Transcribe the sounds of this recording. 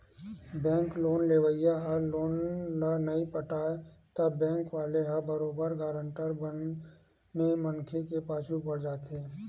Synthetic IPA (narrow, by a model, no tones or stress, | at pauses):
bɛ̃ːŋkloːnleːʋəɪjaɦɐloːnːanɐipəʈaːet̪ɐbːɛ̃ːŋkʋaːleɦɐbəɾoːbəɾɡaːɾə̃ɳʈəɾbənː | emənkʰekepaːt͡ʃʰupɐɽd͡ʒaːt̪eː